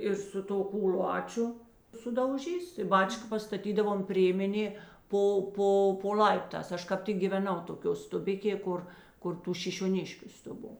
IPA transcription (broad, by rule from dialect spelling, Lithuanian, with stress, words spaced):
ɪr sʊ ˈtoː kuːˈlˠɑːt͡ʃʲʊ sʊdɐʊˈʒʲiːs tɐɪ ˈbɑːt͡ʃkɐ pɐstɐˈtʲiːdɐʋoːm ˈpʲrʲeːmʲɛnʲeː ˈpoː ˈpoː poː ˈlʲɐɪptɑːs ˈɐʃ kɐp ˈtʲɪk ɡʲiːʋʲɛˈnɐʊ toːˈkʲoː stʊˈbʲɪkʲeː ˈkʊr kʊr ˈtuː ʃʲɪʃʲoːˈnʲɪʃʲkʲʊ stʊˈboː